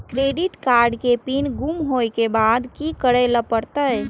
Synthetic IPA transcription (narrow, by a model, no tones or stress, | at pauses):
kɾeːɖiʈkaːɾɖkepinɡumɦojkebaːd̪kikəɽeləpəɾt̪ə